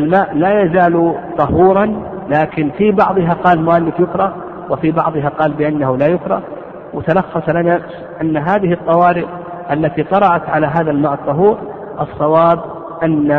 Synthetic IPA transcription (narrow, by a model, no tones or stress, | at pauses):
almaːʔlajazaːlt̪ˤɑɦuːɾˤɑnlaːkɪnfibɑʕðˤɨɦaqɑːlmʊʔalːɪfjʊkɾˤɑ | wɪfibɑ̰ʕðˤɨɦaqɑːlbɪʔanːahʊlaːjʊkɾˤɑ̰ | wɪt̪alɑxːɑsˤlana | ʔanːaɦaːðɪhɨt̪ˤːɑwɑːɾɪʔ | ʔalːat̪it̪ˤɑɾˤɑʕat̪ʕalaɦaːðalmaːʔɑt̪ˤːɑɦuːɾ | ʔɑsˤːɑwɑːb | ʔanːa